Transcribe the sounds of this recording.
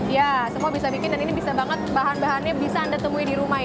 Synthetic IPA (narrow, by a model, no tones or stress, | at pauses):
jasəmuabisabikɪndaninibisabaŋət̪̚baɦanbaɦanɲabisaːndat̪əmuidiɾuma